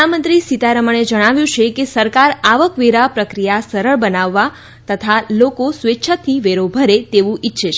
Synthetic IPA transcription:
amə̃nt̪ɾisit̪aɾəməɳ̃ed͡ʒəɽ̃aʋjũt͡ʃʰekesəɾkaɾaʋəkʋeɾapɾəkɾijasəɾəɭbənaʋːa | t̪ət̪ʰalokosʋetːʃʰət̪ʰːiʋeɾobʱəɾet̪eʋũʔitːʃʰeʃ

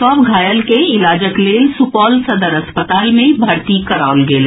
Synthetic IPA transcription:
ɔːpɡʱaːjəlkeɪlaːd͡ʒəkleːlsʊpɔːlsɐd̪əɾɐspət̪aːlmẽbʱaːɾt̪ikɐɾaːʊlɡeːlː

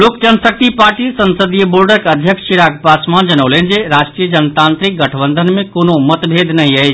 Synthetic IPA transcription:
lokd͡ʒənsək̚t̪ipaːɾʈisənsəd̪ijəboɾɖəɾkəd̪ʱjəkʃiɾaɡ̚pasmãd͡ʒənəʊlend͡ʒeɾaʃʈɾijəd͡ʒənt̪ãnt̪ɾik̚ɡəʈʰəbənd̪ʱənmẽkonomət̪bʱed̪ʱnəɦĩəjt͡ʃʰ

